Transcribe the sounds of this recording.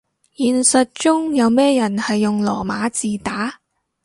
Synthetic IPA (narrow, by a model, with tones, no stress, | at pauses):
jiː˨˩nsɐ˨t̚t͡ʃʊ˥ŋjɐ˨˧wmɛː˥jɐ˨˩nhɐ˨jːʊ˨ŋlɔ̰ː˨˩maː˨˧˥t͡siː˨t̪aː˨˥